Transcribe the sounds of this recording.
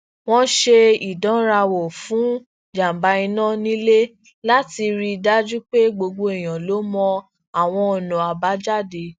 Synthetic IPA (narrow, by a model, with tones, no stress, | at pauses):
w̃ɔ̃˦ʃe˧i˨dɔ̃˨˦ɾa˧wo˨fũ˨˦ | d͡ʒa˨m˨ba˧˦i˧nã˦˨nĩ˦le˦ | la˦ti˧ɾi˧da˦d͡ʒu˦k͡pe˦ɡ͡bo˧ɡ͡bo˧i˦˨j̃ã˨lo˨˦mɔ̃˧ | a˦˨w̃ɔ̃˧ɔ˨nɔ̃˨a˨ba˨˦d͡ʒa˦˨de˨˦